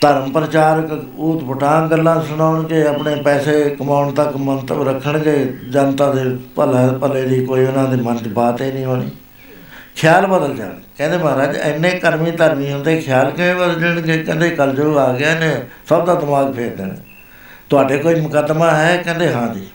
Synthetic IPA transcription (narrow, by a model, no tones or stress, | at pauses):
t̪əɾəmpɾət͡ʃaːɾək | uːt̪pʊʈãːɡəlːãːsənaːɳɡeːəpɳeːpɛːseːkəmaːʊɳt̪əkmənt̪əɾəkʰːəɳɡeːd͡ʒaːnt̪ãːd̪eːpəlãːpəleːd̪iːkoːiːʊnãːd̪iːmənd͡ʒbaːt̪eːnĩːɦoːnḭː | kʰjaːlbəd̪əld͡ʒa̰ːkɛ̃ːnd̪eːmaːɾaːd͡ʒɪ̰nːẽːkəɾmĩːt̪əɾmĩːɦənd̪eːkʰɪjaːlkɪẽːbəd̪ld͡ʒəɳɡeːkɛ̃ːnd̪eːkəld͡ʒəaːɡɪaːnẽːsəbd̪aːd̪ɪmaːɡpʰeːɾd̪ḛːnḛ | t̪ʊaːɖeːkoːiːməkəd̪mãːɦɛːkɛ̃ːnd̪eːɦãːd̪iː